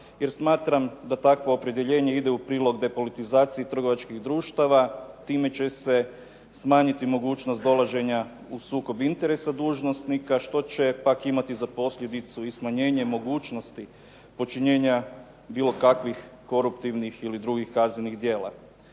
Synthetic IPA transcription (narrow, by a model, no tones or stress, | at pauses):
jeɾsmaːt̪ɾamd̪at̪akʋo̞ːpɾed̪je̞ʎe̞ːɲe̞id̪eupɾiːlˠo̞ɡd̪e̞po̞lit̪izaːt̪sijit̪r̩ɡo̞ʋat͡ʃkiɣd̪ɾuːʃt̪aʋat̪iːme̞t͡ɕe̞se̞ | smaːɲit̪imo̞ɡuːt͡ʃnost̪d̪o̞lˠaʒe̞ɲa | usuːko̞bint̪e̞ɾe̞sad̪uːʒno̞st̪nikaʃt̪o̞t͡ɕe̞pakimat̪izapo̞sʎʲje̞d̪it̪suismaɲe̞ːɲe̞mo̞ɡuːt͡ʃno̞st̪i | po̞t͡ʃiɲe̞ːɲa | biːlˠo̞kakʋixko̞ɾupt̪iʋnixilid̪ɾuɡixkazninixd̪je̞ːlˠa̰